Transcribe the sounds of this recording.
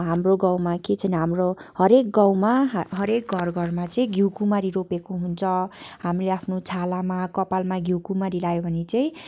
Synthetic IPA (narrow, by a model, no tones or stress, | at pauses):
ɦamroɡãw̃maket͡sʰʌniɦamrohʌɾek̚ɡãw̃maɦɦʌɾek̚ɡʱʌrɡʱʌrmat͡sʌĩɡiwkumaɾiɾopekoɦunt͡sʰʌhamileapʰnot͡sʰalamakʌpalmaɡʱiwkumaɾilajobʱʌnet͡saĩ